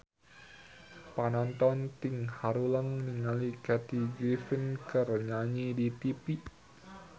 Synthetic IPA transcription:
panɔnt̪ɔnt̪iŋhaɾuləŋniŋalikɛt̪iɡɾifinkərɲaɲidit̪ipi

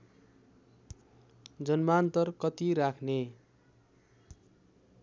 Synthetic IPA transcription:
d͡zʌnmaːnt̪ʌrkʌt̪iɾakʰne

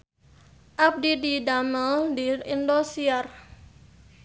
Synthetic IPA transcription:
ʔap̚dididaməldiindosiar

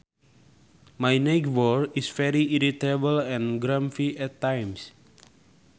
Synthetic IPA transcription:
majnɛkwɔɹisfɛɾiiɾit̪abəlɛ̃nɡɾãmfiʔɛtːãjms

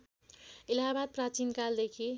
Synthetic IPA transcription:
ilabad̪̚prat͡sinkald̪ekʰi

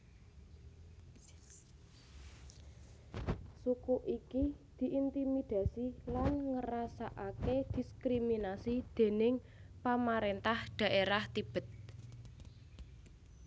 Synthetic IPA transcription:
sukuʔikid̪̥i̤ʔint̪imid̪̥a̤silanŋəɾasaʔaked̪̥i̤skɾiminasid̪̥e̤nɪŋ | pamaɾent̪ahd̪̥a̤ʔeɾaht̪ib̥ə̤t̪̚

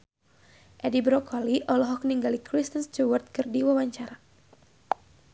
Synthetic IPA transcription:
ʔɛdibɾɔkʰɔliʔɔlɔɦɔk̚niŋɡalikɾist̪ənst͡ʃuwərt̪̚kɨrdiwawaɲt͡ʃaɾa

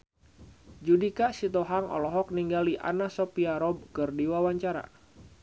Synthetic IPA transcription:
d͡ʒudikaʔsit̪ɔɦaŋɔ̰lɔɦɔk̚niŋɡaliʔa̰nasɔpiaɾɔb̚kɨrdiwawaɲt͡ʃaɾa̰

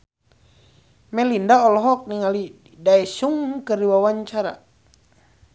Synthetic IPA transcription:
mɛlindaɔlɔɦɔk̚niŋali | daɛsuŋkərɾiwawaɲt͡ʃaɾa̰

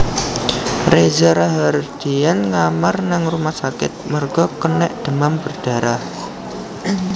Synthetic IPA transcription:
rezaɾaɦard̪̥ijanŋamarnaŋrumahsakɪ̰t̪̚mərɡ̥ɔkənɛʔd̪̥ə̤mambərd̥a̤ɾah

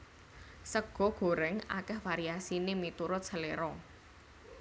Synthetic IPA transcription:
səɡ̥ɔ̤ɡ̥o̤ɾɛŋa̰kɛhfaɾiasinemit̪uɾʊt̪̚səleɾɔ

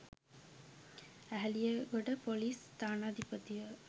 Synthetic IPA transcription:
æɦɐlijɐɡoʈɐpoliːst̪aːnaːd̪ʱipɐt̪iʋə

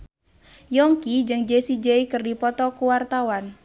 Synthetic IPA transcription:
jɔŋkid͡ʒɨŋd͡ʒesid͡ʒeikərdipɔt̪ɔkuwart̪awan

